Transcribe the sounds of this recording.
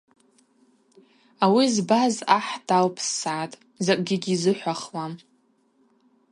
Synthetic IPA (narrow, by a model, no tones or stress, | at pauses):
awizbazaħd̥alpʰsaːtʼ | zakʼɡʲɪɡʲizɨħʷaχwam